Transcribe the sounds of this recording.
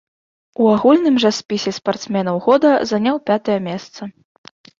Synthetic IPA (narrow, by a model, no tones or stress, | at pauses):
uaɣulʲnɨmʐɐspʲisʲɛspart̪smʲɛnɐwɣɔd̪ɐzanʲawpʲat̪ɐjɐmʲɛst̪sɐ